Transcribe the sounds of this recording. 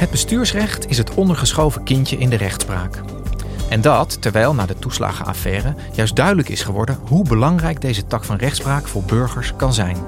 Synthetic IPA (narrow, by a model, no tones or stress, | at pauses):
ɦəd̚bəstyːɹsrɛχtɪsɦətɔndəɹχəsχowvəkɪncəʔɪndərɛχtspra̰ːk | ʔɛndɑtːɛɹʋɛjlˠnaːdətusla̰ːχə̰a̰ːfɛːrə | jœɥsdœɥdələkɪ̰sχəʋɔ̰ɹdənɦubəlɑŋrɛjɡ̚dejzətɑkfɑnrɛχtspraːkfʊːɹbɵɹχəɹskɑnzɛjn